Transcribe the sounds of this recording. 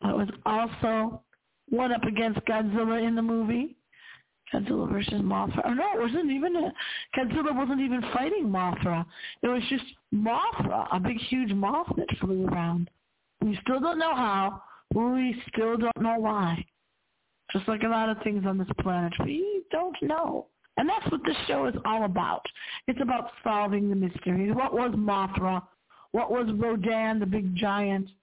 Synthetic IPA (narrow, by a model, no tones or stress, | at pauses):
ɪ̰ʔ̚wʌzɔlˠsoʊ | wʌ̃ñʌpɨɡɛ̃ns̚ɡ̥ædzɪlˠə˞ɨ̃nðəmuvi | ɡ̥æ̰dzɪ̰lˠə̰və˞sɨzmɑθɹə̰ʔə˞noʊʔ̚wʌzɨ̃ntivɨ̃nɨɡ̥ædzɪlˠə˞wʌzə̃n̩tivɨ̃nfaɪɾɪ̃ŋmɑθɹəɨt̚wʌzd͡ʒʌst̚mɑθɹə̰ʔə̰bɪɡhjʉd͡ʒmɑθðɨ̰tfluə˞ãʊ̃nd̥ | wistɪlˠdõʊ̃nːoʊɦaʊwɛwistɪlˠdõʊ̃nːoʊwaɪ | d̥ʒ̥ʌstˡlaɪkəlɑɾʌv̥θɪ̃ŋzn̩ðɪspʰl̥ænɨt̚wid̥õʊ̃nːoʊ | ɨ̃nðætswʌt̪̚ðɪsʃoʊɨzɔlˠəba̰ʊɾɨtsɨbaʊtsɑlˠvɪ̃ŋðɨmɪstə˞iwʌʔwʔʌzmɑθɹə | wʌʔwʔʌzɹoʊdæ̃nðɨbɪɡ̚d͡ʒaɪɨ̃nt